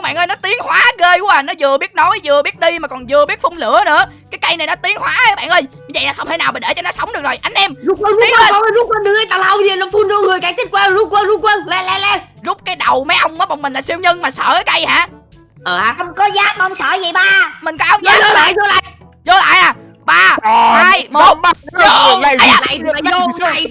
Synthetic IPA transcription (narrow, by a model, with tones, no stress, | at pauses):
ɓa̰˧˨nʔəː˧jnɔ˨˦t̪i˨˦əŋhwaː˨˦ɣeː˧ku˧˩˦əaː˨˩nɔ˨˦zɨ˨˩əɓi˦˥ət̚nɔ˨˦jzɨ˨˩əɓi˦˥ət̚ɗi˧maː˨˩kɔ˨˩nzɨ˨˩əɓi˦˥ət̚fʊ˧ŋ͡mlɨ̰˧˩ənɨ̰˧˦əkaː˨˦jka˧jna˨˩jnɔ˨˦t̪i˨˦əŋhwaː˨˦˨ɓa̰ː˧˨nʔəː˧jɲɨ˧˦və̰˧˨jlaː˨˩xə˧wŋ͡mt̪ʰe˧˩na˨˩wɓə˨˩ɗe˧˩t͡ɕɔ˧nɔ˨˦sə˨˦wŋ͡mɗɨ˨˩əkzo˨˩jʔa˧jŋ̟ʔɛ˧mzu˦˥wə˧˩zu˦˧˦ɔ˨˧˦zu˦˥t̚kwə˧nɗɨ˨˧˥ʔə˨˦jt̪aː˧˩la˧˨wzi˨˩nɔ˨˦fu˧nzo˧ŋɨ˨˩əjkaː˨˩˦t̪ʰi˦˥t̚kwaː˧˨˩zu˦˥t̚kwə˧nzu˦˥k̚kwə˧nlɛ˧lɛ˧lɛ˧zʊ˦˥k͡p̚kaː˨˦jɗə˨˩wmə˨˦jʔə˧wŋ͡mʔəː˨˦ɓɔ˨wŋ͡mmï˨˩la̰ː˨˩si˧wɲə˧ŋmaː˨˩sə̰ː˧˩˦kə˧jhaː˧˩ | ʔəː˨˩a˧ə˧wŋ͡mkɔ˨˦zaː˦˥k̚ma˧wŋ͡msəː˧˩zə˨˩jɓaː˧˩mï˨˩ŋ̟kɔ˧ʔa˧wŋ͡maː˧˨˦o˧la̰ː˧˨jzo˧la̰ː˧˨j | zo˧la̰ː˧˨jʔaː˨˩ | ɓaː˧˩˨aː˧jmː˨˩˧ | la̰ː˧˨jo˧˨˧j